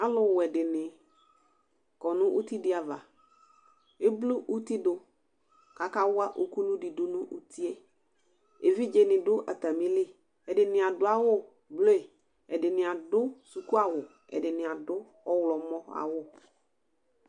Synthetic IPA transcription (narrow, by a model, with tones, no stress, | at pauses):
a˦lʊ˨wɛ˨dɪ˨nɪ˨ | kɔ˨nʊ̃˦ʔu˦ti˦dɪ˦a˨va̰˨ | e˦blu˦ʔu˦t̪i˦dʊ˨ | ka˨ka˦wʊ˦a˦ʔo˨ku˦nʊ̃˦dɪ˨dʊ˦nʊ̃˦ʔu˦t̪ʰi˦ɛ˦ | e˨vi˦d͡ʒe˨nɪ̃˨dʊ˦ʔa̰˨t̪a˨mĩ˦lɪ˦ | ɛ˨dɪ˨nɪ̃˨a˨dʊ˦a˦wʊ˦ | blo˦ɛ˨ | ɛ˨dɪ˨nɪ̃˨a˨dʊ˦su˨ku˦a˨wʊ˨ | ɛ̰˨dɪ˨nɪ̃˨a˨dʊ˦ | ɔ˦wlɔ˨mɔ̃˦a̰˨wʊ˦